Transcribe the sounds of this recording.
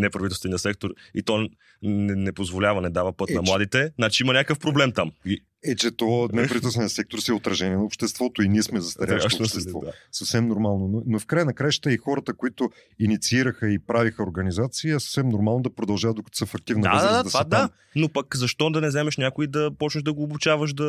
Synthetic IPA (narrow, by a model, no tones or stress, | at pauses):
nɛpɾɐvit̪ɛlst̪vɛnijəsɛk̚t̪oɾḭt̪ɔ | nɛnɛpozvolʲavɐnɛd̪avəpɤt̪nɐmlˠad̪it̪ɛnat͡ʃiimɐnʲakəfpɾoblɛmt̪ami | ɛt͡ʃɛt̪ɔnɛɾɐvit̪lˠsɛnijəsɛk̚t̪oɾsiɛot̪ɾɐʒɛniɛnɐopʃt̪ɛst̪vɔt̪oiniɛsmɛzɐst̪ɐɾaʃɾaʃst̪ɛvd̪asɐfsɛmnoɾmalˠnononofkɾajənɐkɾajʃt̪əixɔɾət̪əkoit̪ʊ | init̪siiɾəxəipɾavixəoɾɡɐnizat̪siːɐsɐ̥fsɛmnoɾmalˠnod̪ɐpɾod̪ɐlˠʒavɐd̪d̪okɐt̪ɔ̥səfɐk̚t̪ivnd̪a̰ad̪at̪vad̪a | nopɐkzɐʃt̪ɔd̪ɐnɛzɛmɛʃnʲakʊid̪ɐpɔt͡ʃnəʒd̪ɐɡoːbʊt͡ʃavəʃ̬d̪ɐ